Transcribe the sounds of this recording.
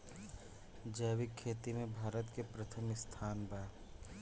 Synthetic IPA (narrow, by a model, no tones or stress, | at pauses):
d͡ʒəːʋɪkʰːeːt̪imẽbʱaːɾət̪kepɾət̪ʰəmɪst̪ʰaːnbaː